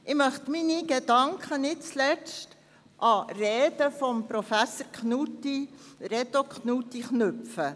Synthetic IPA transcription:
ʔɪmœχtminiɡ̥edɑŋkχənɪtt͡slɛt͡st | ʔɑrɛeːd̥əfɔmpɾofæsəɾknutiɾɛt̪okχnutːiχnɵpfə

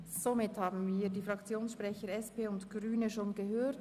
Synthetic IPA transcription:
z̥omɪthaːbn̩viːdiːfʁ̥ɑkt͡sjoːnsʃpʁ̥ɛçəʁɛspeːʊntɡ̥ʁyːnəʃoːnɡəɦøːt

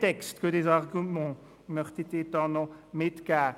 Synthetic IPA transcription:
t̪ɛkst̪kəd̪ezaʁɡymɑ̃ | mœʁt̪et̪et̪ɑ̃nɔ̃met̪ka

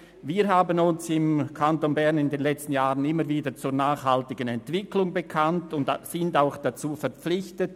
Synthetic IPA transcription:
viːɾɦaːbənʊnsɪmkʰantonbɛʁnɪndeːnlɛt͡stn̩jaːʁənɪmːəɾviːdət͡suːɾnaːxhaltɪɡənɛntv̥ɪklʊŋbəkʰantʊndsɪndaʊxd̥at͡suːfɛʁp͡flɪçtət

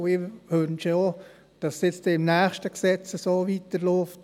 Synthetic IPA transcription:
ɪhønʃo | d̥ɑssjɪt͡stɛɪmnæːχʃtəksɛt͡səsoːʋitəɾloːft

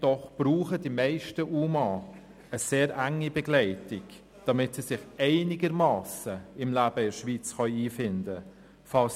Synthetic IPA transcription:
d̥ɔχb̥ruːχədimæɪʃtəʔuːmɑː | əseːɾæŋːibɛɡlɛɪtɪk | d̥ɑmɪtsisɪχɛɪnɪɡəɾmɑːsəɪmlæːb̥əɪʃʋiːt͡sχœʏiːfɪndə | fɑls

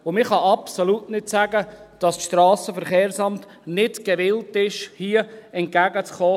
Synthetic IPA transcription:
omɪχɑʔɑpsolutnɪtsæɡəd̥ɑsʃtɾɑːsəfəɾχeːɾsɑmt | nɪtɡ̥ɛʋɪltɪʃhiːəɛnt̚ɡ̥æɡət͡sχɔː

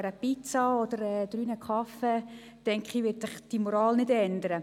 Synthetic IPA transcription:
ɾəpit͡sɑɔd̥̪əɾɛd̥̪ɾyːnəkχɑfɛ | tɛŋkχiʋɪdsɪχd̥imoɾɑːlnɪdɛnd̪əɾə

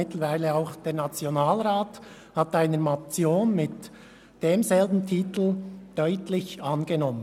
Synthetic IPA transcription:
ɪtləɾvaɪləaʊxd̥eːnat͡sjonaːlɾaːt | hɑtaɪnəɾmat͡sjoːnmɪt | d̥eːmzɛlbn̩tʰiːtl̩d̥œʏtlɪçɑnɡenɔmən

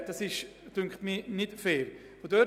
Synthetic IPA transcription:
d̥ɑsɪʃd̥ʏŋkχtminɪtfeːɾ | fodœ

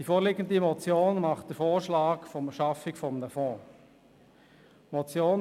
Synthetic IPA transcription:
d̥ifoːɾlɪɡən̩dimɔt͡sjoːnmɑχt̚d̥əfoːɾʃlaːkfɔmʃɑfɪkfɔmnəfɔ̃ː | mɔt͡sjoːn

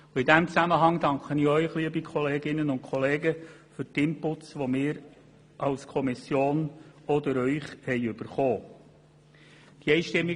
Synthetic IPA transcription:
ʊɪdæmt͡sæməɦɑŋdɑŋkχənɪœʏχliəbikʰɔleːɡɪnənʊnkʰχɔleːɡəfʏɾtɪmpʊt͡sʋomɪːɾ | ʔɑlskʰɔmɪsjoːnɔd̪əɾœʏχhɛɪʏb̥əɾχoː | d̥iɛɪʃtɪmːɪ

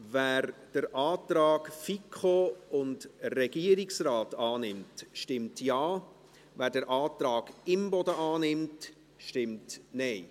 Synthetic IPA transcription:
væːɾd̥əɾʔɑːtɾɑːɡfikʰχoʊndrɛɡ̥iəɾɪksraːtɑːnɪmtʃtɪmtjɑː | væːɾdəɾʔɑːtɾɑːɡɪmbɔdəʔɑːnɪmt | ʃtɪmtnɛɪ

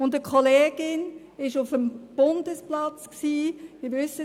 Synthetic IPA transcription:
ʊndəkʰχɔleːɡ̥ɪn | ɪʃʊfəmb̥ʊnd̥əsplɑt͡sksiːmɪʋʏsə

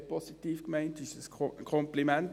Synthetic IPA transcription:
pʰositiːfkmæɪnt̚d̥iːsəskʰɔmplimɛnt

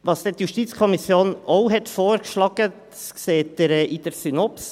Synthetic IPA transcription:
ʋɑst̪ɛt̪jʉʃt̪it̪skʰɔmɪsjoːnɔʊɦɛt̪foːɾʃlɑɡət | sseːt̪əɾʔiːt̪əɾsynɔps

